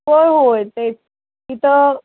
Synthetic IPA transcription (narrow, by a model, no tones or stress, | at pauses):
əɭɦojt̪e | kit̪ə